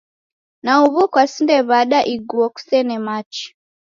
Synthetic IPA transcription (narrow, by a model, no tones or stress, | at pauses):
nauβɔkwasindɛβaɗaʔiɡuɔku̥sɛnɛmat͡ʃi̥